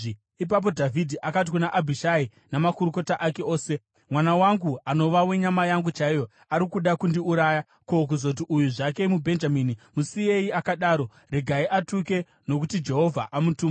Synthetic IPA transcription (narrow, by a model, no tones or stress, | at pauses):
ip̬ap̬o̞dʱavʱidʱiʔakat̬ikunaʔabʱiʃai | namakuɾuko̞taʔake̞o̞ːse̞ | mwanawaŋɡuano̞ʋawe̞ɲamajaŋɡut͡ʃaijo̞ | aɾikuɗakundiuɾaːja | kok̬uzout̬iʔujuʐake̞mubʱe̞nd͡ʒamiːnimusije̞jiakaɗaːɾo̞ | re̞ɡʱaiʔatuke̞ | no̞k̬utid͡ʒe̞ɦo̞vʱaʔamutuːma